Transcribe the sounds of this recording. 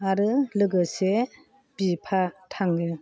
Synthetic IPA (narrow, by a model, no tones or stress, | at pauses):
aɾɯlɯɡɯse | bipʰatʰaŋɡɯ